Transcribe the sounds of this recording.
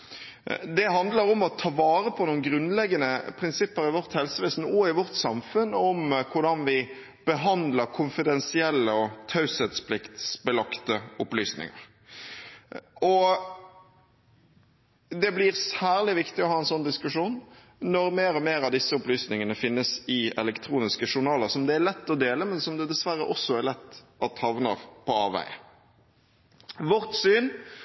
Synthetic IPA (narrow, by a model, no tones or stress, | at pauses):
d̪ɛɦɑnd̪ləɾɔmɔt̪ʰɑːʋɑːɾəpʰɔnuːnɡɾʉnlɛɡːənəpʰɾɪnsɪpːəɾɪʋɔʁt̪hɛlsəʋeːsn̩ɔɪʋɔʁt̪sɑmfʉnɔmkʰʊɾɖɑnʋɪ | b̥əɦɑnd̪ləɾkʰʊnfɪd̪ɛnsɪɛlːəɔt̪ʰɑʉsɛt̪spʰlɪkt̪sbəlɑkt̪əʊplyːsnɪ̰ŋə̰ʁ | ɔ | d̪ɛblɪʁsæːʁlɪʋɪkt̪ɪɔhɑːɛnsɔnd̪ɪskʉʂuːnː | ɔɾmeːɾɔmeːɾɑʋd̪ɪsːəʊplyːsnɪŋənəfɪnːəsɪɛ̰lɛkt̪ʰɾuːnɪskəʂʊʁnɑːləʁsɔmd̪ɛælɛt̪ːɔd̪eːləmɛnsɔmd̪ɛd̪ɛsʋæɾːə̰ʔɔsːɔæɾlɛt̪ːɑt̪hɑʋnə̰ʁpʰɔɑːʋæ̰ɪə | ʋɔʁt̪syːn